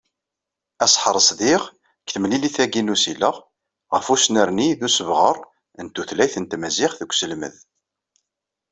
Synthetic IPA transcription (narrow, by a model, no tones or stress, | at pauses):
æsˤħəɾˤəsˤðiʁ | kθəmliliθæɡinusiləʁ | ʁəfusnəɾniðusəvʁəɾˤ | ənt̪ːuθlæjθənt̪mæziχθəkʷːsəlmə̰ð